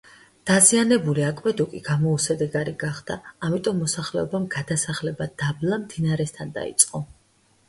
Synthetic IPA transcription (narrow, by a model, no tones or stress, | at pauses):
d̪̥azianɛbuliakʼvɛd̪ukʼiɡamɔusɛd̪ɛɡaɾiɡaχd̪̥a̰ːmit̪ʼɔmːɔsaχlɛɔbamɡ̥ad̪asaχlɛbad̪ablamd̪inaɾɛst̪ʰand̪a̰ḭt̪sʼqʼɔ